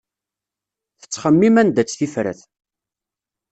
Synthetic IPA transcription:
θə̥t͡sːχəmːimænd̪æt͡sːθifɾə̰θ

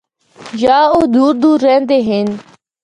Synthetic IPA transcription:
jaːoːd̪uːɾd̪uːɾːɛ̃ːnd̪eːɦɪn

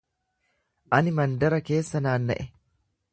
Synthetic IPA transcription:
ʔɐnɪmɐnd̪ɐɾɐke̞ːsːɐnaːnːɐ̰ʔɛ

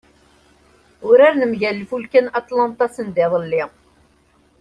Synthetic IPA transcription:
ʊɾæɾnəmʝælːfulkænɑt̪ˤlɑnt̪ˤɑsənd̪ɪðˤəlːi

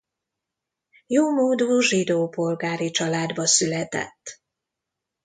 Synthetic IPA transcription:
joːmoːd̪uːʒid̪oːpo̞lɡaːɾit͡ʃɒlaːd̪bɒsylɛt̪ɛ̰t̪ː

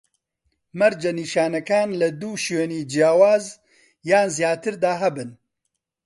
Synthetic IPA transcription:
mɐɾd͡ʒɐniːʃaːnɐkaːnlɐd̪uːʃøːniːd͡ʒjaːwaːz | jaːnzijaːt̪ɨɾd̪aːɦɐbɨn

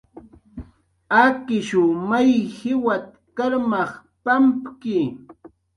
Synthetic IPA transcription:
akɪʃʊmajhɪwat̪̚ | kaɾmɑχ | pampkɪ

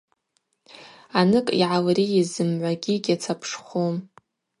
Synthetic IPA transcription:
anɨkʼḭʕalriizɨmʕʷaɡʲiɡʲat͡sʰapʰʂχʷom

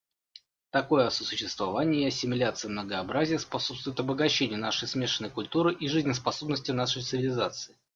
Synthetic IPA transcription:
t̪ɐko̞jəɐsəsʊɕːɪst̪vɐvanʲɪjəsʲɪmʲɪlʲat̪sɨjəmnəɡəɐbɾazʲɪjəspɐso̞pst̪vʊjɪt̪ɐbəɡɐɕːenʲɪjənaʂəjsmʲe̞ʂənːəjkʊlʲt̪uɾɨʔiʐɨzʲnʲɪspɐso̞bnəsʲtʲɪnaʂəjt̪sɨvʲɪlʲɪzat̪sɨɪ

